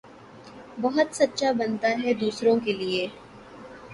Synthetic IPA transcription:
bɐɦʊt̪sɐtːʃabɐnt̪aɦɛd̪uːsɾõkelieː

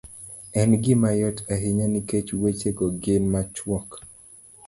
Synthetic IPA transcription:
ɛnɡɪmajɔtaɦɪɲaniket͡ʃwet͡ʃeɡɔɡɪnmat͡ʃwɔk

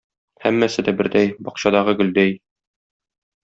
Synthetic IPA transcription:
hæmːæsɘd̪æbɘ̆ɾd̪æjbɒqɕɑd̪ɑʁɤɡɵ̆ld̪æj

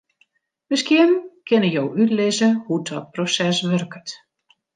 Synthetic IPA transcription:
mɪskjɪnkɪnəjowʔytlɪzəhudɔt̚prosɛsʋørkət

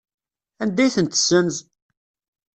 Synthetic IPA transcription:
ænd̪æjθənt̪sənz

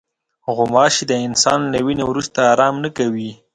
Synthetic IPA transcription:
ɣʊmɑʃid̪əɪnsɑnlawinewɾust̪aːɾɑmnakawi

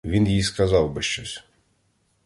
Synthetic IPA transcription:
ʋʲinjijskɐzɑwbɪʃt͡ʃɔsʲ

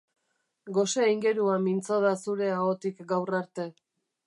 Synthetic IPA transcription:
ɡo̞seiŋɡe̞ɾuamint͡soð̞asuɾe̞aɣot̪ikɡawraɾt̪e̞

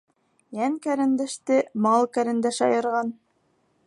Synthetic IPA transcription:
jæŋkæɾɘ̆nd̪æʃt̪ɘmɑlˠkæɾɘ̆nd̪æʃɑ̰jɤ̆ɾʁɑn

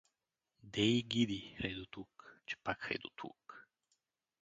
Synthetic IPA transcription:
d̪ɛiɡid̪ixɾɛjd̪ot̪ukt͡ʃɛ̥pakxɛ̰jd̪ot̪ʰṵk

